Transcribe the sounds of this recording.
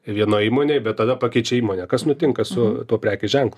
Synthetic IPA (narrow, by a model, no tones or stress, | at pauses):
ʋʲiɛnoːiːmoːnʲeːbʲɛt̪̚t̪ɐd̪ɐpɑkʲɛɪt͡ʃʲɛiːmoːnʲɛkɐsnʊt̪ʲɪŋkɐsʊt̪uɔpʲɾʲæːkʲʊʒʲɛŋklˠʊ